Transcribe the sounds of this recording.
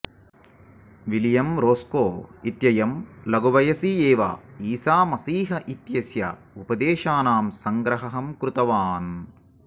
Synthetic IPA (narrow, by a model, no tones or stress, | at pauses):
ʋiljɐmɾoːskoːit̪jɐjɐmlɐɡoʋɐjɐsieːʋa̰ːiːsaːmɐsiːɦɐʔit̪jɐsjɐ̰ | upɐd̪eːʃaːnaːmsɐŋɡɾɐɦɐɦɐmkɾut̪ɐʋaːn